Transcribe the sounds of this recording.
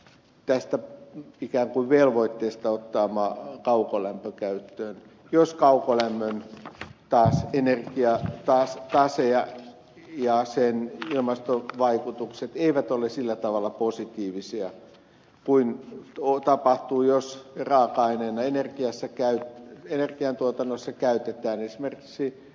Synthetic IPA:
t̪æst̪æikæːŋkuiʋʋelʋoit̪ːeːst̪ɑot̪ːɑːmɑkɑukolæmpøkæyt̪ːøːn | joskɑukolæmːønt̪ɑːsenerkiɑt̪ɑst̪ɑseɑ | jɑsenilmɑst̪oʋɑikut̪ukset̪eiʋæt̪olesilːæt̪ɑʋɑlːˑɑposit̪iːʋisiɑ | kuinot̪ɑpɑht̪uːjosrɑːkɑinenːɑenerkiɑsːækæytenerkiɑnt̪uot̪ɑnːosːɑkæyt̪et̪æːnesimerki̥ksi

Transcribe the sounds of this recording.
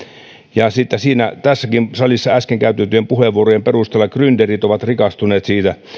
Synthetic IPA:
jɑsit̪ːæsiːnæt̪æsːækimsɑlisːɑæskeŋkæyt̪ːet̪ːyempuheʋːuorojemperust̪elːɑkrynd̥̪erit̪oʋɑt̪rikɑst̪uneːt̪siːt̪æ

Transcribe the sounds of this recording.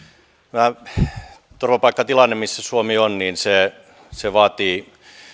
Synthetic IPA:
mæ | t̪orʋɑpɑikːɑt̪ilɑnːemissæsuomionniːnse | seʋɑːt̪iː

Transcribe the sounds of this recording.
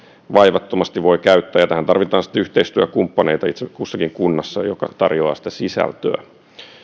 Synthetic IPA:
ʋɑjʋɑt̪ːomɑst̪iʋʋo̞jkæyt̪ːæːjɑt̪æhænt̪ɑrʋit̪ɑːnsi̥t̪ːæyht̪eist̪yækumpːɑne̞it̪ɑit̪sekusːɑkiŋkunːɑsːɑjo̰kɑ̰t̪ɑ̰rjoɑ̰ːsi̥t̪æsisæ̰lt̪øæ̰

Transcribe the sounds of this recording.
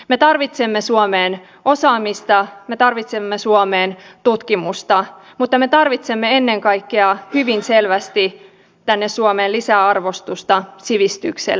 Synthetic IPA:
me̞t̪ɑrʋit̪semːesuomeːn | ʔo̞sɑːmist̪ɑmet̪ɑrʋit̪semːesuomeːnt̪ut̪kimust̪ɑ | mut̪ːɑme̞t̪ɑrʋit̪semːee̞nːe̞ŋkɑjkːeɑhyʋinse̞lʋæst̪i | t̪ænːessuomeːlisæɑrʋo̞st̪ust̪ɑsiʋist̪yksḛl

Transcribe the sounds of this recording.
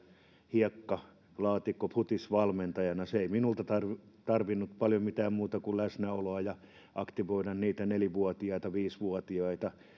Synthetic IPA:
hiɑkːɑ | lɑːt̪ikːoput̪isʋɑlment̪ɑjɑnɑseiminult̪ɑt̪ɑrʋit̪ɑrʋinːut̪pɑljomit̪æːmmuːt̪ɑkullæsnæoloɑjɑ | ʔɑkt̪iʋoiɾɑnniːt̪æneliʋuot̪iɑit̪ɑʋiːsʋuɔt̪iɑit̪ɑ

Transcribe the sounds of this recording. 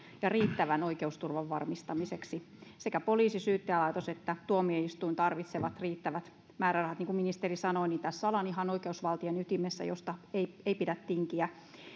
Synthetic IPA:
jɑriːt̪ːæʋænoikeust̪urʋɑʋʋɑ̰rmist̪ɑmiseksi | sekæpoliːsisyːt̪ːeælɑit̪oset̪ːæt̪uomieist̪uint̪ɑrʋit̪seʋɑt̪riːt̪ːæʋæt̪ | mæːɾærɑhɑt̪niŋkuminist̪erisɑnoinint̪æssɑlɑniɦɑnoikeusʋɑlt̪ienyt̪imesːæ̰jo̰st̪ɑeieipidæt̪tiŋkiæ

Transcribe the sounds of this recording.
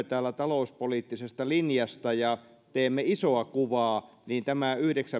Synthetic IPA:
et̪æːlːˑæt̪ɑloˑuspoliːt̪ːisest̪ɑlinjɑst̪ɑjɑ | t̪eːmːeisoɑkuʋɑː | niːnt̪æmæyhɾeksæ

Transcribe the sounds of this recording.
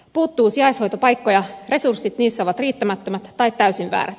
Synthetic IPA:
puːt̪ːuːsiɑishojt̪o̞pɑjkːojɑre̞sursːit̪niːsːæoʋɑt̪riːt̪ːæmæt̪ːømæt̪t̪ɑit̪t̪ːæysiʋʋæ̰ːɾæt̪

